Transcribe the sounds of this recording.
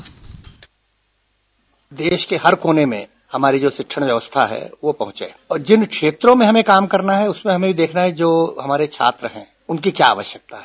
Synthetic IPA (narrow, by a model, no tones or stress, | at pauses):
d̪eːʃkeɦɐɾkoːnemḛ̃ | hɐmaːɾid͡ʒoːsɪkʃʰəɽ̃ʋjɐʋəst̪ʰa̰ɦɛ̰ːʋopɐɦʊ̃t͡ʃḛːɔːɾd͡ʒɪnkʃeːt̪ɾõmẽɦɐmẽkaːmkɐɾnaɦɛʊsmẽɦɐmẽbʱid̪eːkʰnaɦɛd͡ʒoːɦɐmaːɾet͡ʃʰa̰ːt̪ɾəɦɛ̃ː | ʊnkikjaːʋəʃjək̚t̪aɦɛː